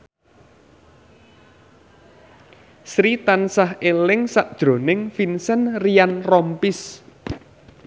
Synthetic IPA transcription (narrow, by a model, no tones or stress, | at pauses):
sɾit̪ansaɦʔelɪŋsaʔd̥ʒ̥ɾo̤nɪŋfinsənrijanrɔmpis